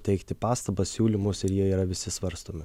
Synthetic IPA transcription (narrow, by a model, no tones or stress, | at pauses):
t̪ʲɛɪkt̪ʲɪpɑːst̪ɐbɐsʲsʲuːlʲimʊsɪɾjiɛiːɾɐʋʲɪsʲɪsʋɐɾst̪oːmʲɪ